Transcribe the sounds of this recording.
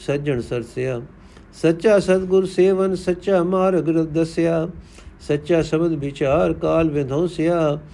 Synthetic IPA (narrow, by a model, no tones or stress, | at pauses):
sɐd͡ʒəɳsɐɾsjaː | sɐtːʃaːsɐd̪ɡʊɾseːʋɐnsɐtːʃaːmaːɾɐɡɾət̪̚d̪ɐsjaː | sɐtːʃaːsɐbəd̪bɪt͡ʃaːɾkaːlʋẽnd̪ʱõːsjaː